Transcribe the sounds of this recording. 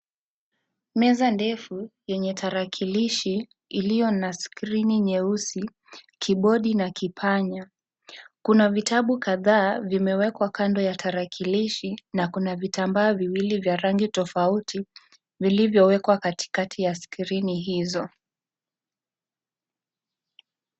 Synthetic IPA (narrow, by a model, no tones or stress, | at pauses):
mɛzandɛfujɛɲɛtʰaɾakʰiliʃiː | lijɔnaskɾiniɲɛusi | kʰiɓɔɗinakipʰaɲa | kunavitaɓukaðaːvimɛwɛkwakandɔjataɾakʰiliʃinakunavitambaːviwilivjaɾaŋɡitɔfautʰi | vilivjɔwɛkwakati̥katʰijaskiɾiniɦizɔ